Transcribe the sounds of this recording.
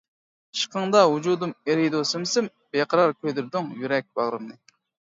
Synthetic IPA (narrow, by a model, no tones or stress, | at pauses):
ʃqʰəŋd̪ɑɦud͡ʒud̪umeɾid̪osɨmsɪm | b̥eqɑɾɑɾkʲʰøjd̪yɾd̪uŋjyɾɛk̚ʲbɑʁɾɨmnɨ